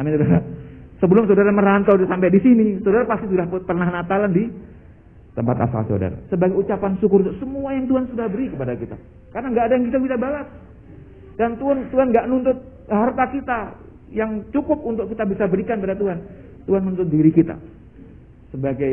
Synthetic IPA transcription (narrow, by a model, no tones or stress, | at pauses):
amisodaɾasəbəlʊmsaodaɾaməɾant̪ɔdsampedisinisawdaɾapast̪isudahpərnahnat̪alandi | t̪əmpat̪a̰sa̰lsa̰da̰ɾa̰səbaɡajut͡ʃapansukʊɾt̪ʊksəmuajaŋt̪uɦansudahbəɾikəpadakit̪a̰ | karnaŋɡaːdajaŋkit̪abisabaɡas | dant̪uant̪uɦanɡaʔnunt̪ʊt̪̚ | hart̪akit̪a | jaŋt͡ʃukʊp̚unt̪ʊkit̪abisabəɾikanpadat̪uɦan | t̪uɦanːunt̪ʊt̪̚diɾikit̪a̰ | səbaɡaj